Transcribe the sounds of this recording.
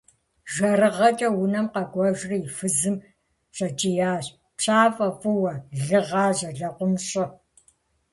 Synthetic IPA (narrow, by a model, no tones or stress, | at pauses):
ʒɐrɨʁɐt͡ʃʼɐwʊnɐmqɐɡʷɔʒrifɨzɨm | ɕɐt͡ʃʼijaːɕ | pɕʰaːfʼɐfʼɨwɐɮɨʁɑːʑɐɮɐqʷʊmɕʼɪ